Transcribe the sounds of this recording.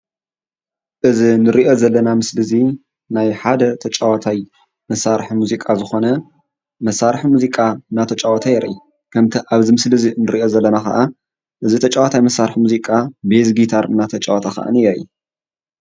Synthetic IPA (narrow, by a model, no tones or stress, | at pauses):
ʔɨzinɨɾiʔo̞zɐlːɐnamɨslɨzi | najħad̪ɐt̪ʰɐt͡ʃʼawat̪ʰaj | mɐsːaɾħimuzikʼazɨxo̞nɐ | mɐsːaɾħimuzikʼaɨnːat̪ʰɐt͡ʃʼawat̪ʰajɛɾʔɐi | kʰɐmt̪ʰiʔaβzimɨslɨzinɨɾiʔo̞zɐlːɐnaxɐ̰ʔa | ʔɨzit̪ʰɐt͡ʃʼawat̪ʰajmɐsːaɾħmuzikʼabezɡit̪ʰaɾɨnːat̪ʰɐt͡ʃʼawat̪ʰaxɐ̰ʔɨ̰nijɐju